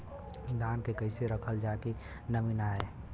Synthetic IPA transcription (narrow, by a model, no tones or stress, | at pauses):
d̪ʱaːnkekəɪseɾəkʰəld͡ʒake | nəminaeː